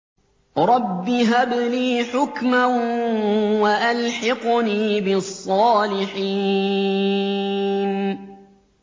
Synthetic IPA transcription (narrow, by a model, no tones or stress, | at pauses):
ɾˤɑbːiɦabliːħʊkma | waʔalħɑqniːbɪsˤːɑːlɪħiː | n